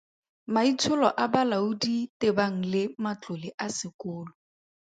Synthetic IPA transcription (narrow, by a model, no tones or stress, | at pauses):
mait͡sʰʊlɔ̰ʔabalaʊditɪbaŋ̩lɪmat͡ɬʊlɪʔasɪkʊːlɔ